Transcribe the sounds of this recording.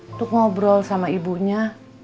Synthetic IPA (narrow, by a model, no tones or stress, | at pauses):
t̪ʊk̚ŋɔbɾɔlsamaibuɲa